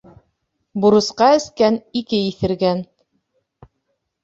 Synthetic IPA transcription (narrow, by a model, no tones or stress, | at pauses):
buɾɤ̆sqɑɘ̆skænikɘiθɘ̆ɾɡæn